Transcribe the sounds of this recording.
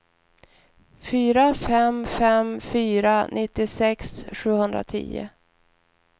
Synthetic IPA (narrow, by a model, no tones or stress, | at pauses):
fyːɾafɛmfɛmfyːɾanʔɪt̪ːɪsɛksɧʉ̟ːhɵnd̪ɾa̰t̪ʰḭːə̰